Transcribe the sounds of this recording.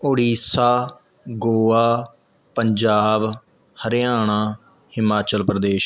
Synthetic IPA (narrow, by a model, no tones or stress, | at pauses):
oɽiːsaː | ɡoːaː | pəɲd͡ʒaːb | həɾjaːɳ̃aː | hɪmaːt͡ʃəlpɾəd̪eːʃ